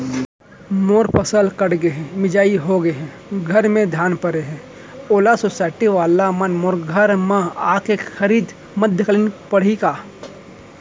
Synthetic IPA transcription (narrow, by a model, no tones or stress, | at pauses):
moːɾpʰəsəlkəɽɡəɦɛ̃mɪd͡ʒaːiɦoɡəeɦɛ̃ | ɡʱəɾmẽd̪ʱjaːnpəɾeɦɛ̃ː | oːlasoːsaːɪʈiʋaːlamənmoːɾɡʱəɾmãaːkexəɾiːd̪ | məd̪ʱjəkələnpəɽ̤ikaː